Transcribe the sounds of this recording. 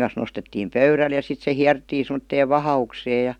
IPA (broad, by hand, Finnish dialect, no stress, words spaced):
kɑn̞s nostetːiːm pøyræl jɑ sit se hiærtːiː semə̆tːeːʋ ʋɑhɑukseː jɑ